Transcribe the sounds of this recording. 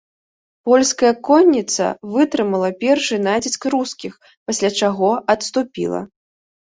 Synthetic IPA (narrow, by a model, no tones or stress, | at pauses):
pɔlʲskɐjɐkɔnʲːit̪sɐ̰vɨt̪ɾɨmɐlˠɐpʲɛrʂɨnad͡zʲiskɾuskʲix | pasʲlʲat͡ʂaɣɔɐt̪st̪upʲḭlˠɐ̰